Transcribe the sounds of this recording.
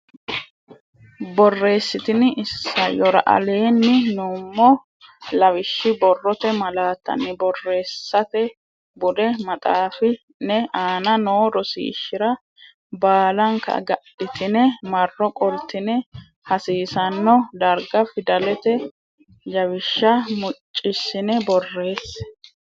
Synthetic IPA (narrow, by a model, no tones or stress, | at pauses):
bɔrːe̞ːsːɪt̪ɪnɪɪsːɐjɔɾɐ̰ʔɐ̰le̞ːnːɪnʊmːɔ | lɐwɪʃːɪbɔrːɔt̪ɛmɐlaːt̪ːɐ̰nːɪbɔrːe̞ːsːɐt̪ɛ | bʊd̪ɛmɐt̪ʼaːfɪ | nɛaːnɐnoːɾɔsḭːʃːɪɾɐ | baːlɐŋkɐ̰ɡɐ̰ɗɪt̪ɪnɛmɐrːɔkʼɔlt̪ːɪnɛ | hɐsiːsɐnːɔd̪ɐɾɡɐfɪd̪ɐlɛt̪ɛ | jɐwɪʃːɐmʊt͡ʃʼːɪsːɪnɛbɔrːe̞ːs